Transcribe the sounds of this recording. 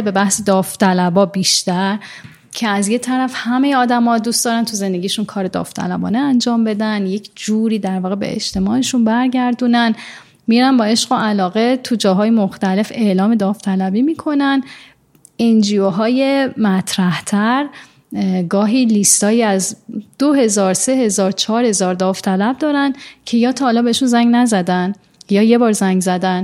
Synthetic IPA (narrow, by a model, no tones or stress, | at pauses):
be̞bæhsed̪ɒːft̪ʰælæbɒːbiʃt̪æɾ | cʰe̞æzje̞t̪ʰæɾæfhæme̞jeɒːd̪æmɒːd̪uːst̪ɒːɾænt̪ʰuze̞nd̪e̞ɟʲijeʃunkʰɒːɾe̞d̪ɒ̰ːft̪ʰæ̰læbɒ̰ːneænd͡ʒɒːmbe̞d̪ænjecʰd͡ʒuːɾiːd̪æɾvɒːɣebe̞̰ʔḛd͡ʒt̪ʰe̞mɒːʔeʃunbæɾɟæɾd̪unæn | miɾænbɒːe̞ʃɢo̞ʔælɒːɣe̞t̪ʰud͡ʒɒːɦɒːjemoxt̪æle̞fe̞ʔlɒːme̞d̪ɒːft̪ʰælæbiːmiːkʰo̞næn | end͡ʒioɦɒːje̞mæt̪ʰɾæht̪ʰæɾ | ɡɒːɦiːlist̪ɒːjiːæzd̪̥oɦe̞zɒːɾse̞ɦe̞zɒːɾt͡ʃʰɒːɾhe̞zɒːɾd̪ɒːft̪ʰælæb̚d̪ɒːɾæncʰe̞jɒːt̪ʰɒhːlɒːbe̞eʃunzæŋɟnæzæd̪æn | jɒːjebɒːɾzæŋɟzæd̪æn